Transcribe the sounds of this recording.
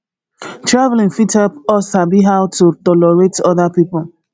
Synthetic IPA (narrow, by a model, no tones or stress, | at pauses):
tɹavlĩŋfitɔpɔsabiɦawtutɔlɔɹetɔðapipʊl̩